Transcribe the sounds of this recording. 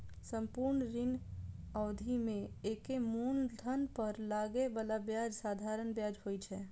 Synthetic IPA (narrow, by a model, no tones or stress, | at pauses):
sə̃mpuɾɳɾinɔːd̪ʱimẽekemund̪ʱənpəɾlaɡebalabjad͡ʒsaːd̪ʱaɾənbjad͡ʒɦojt͡ʃʰɛː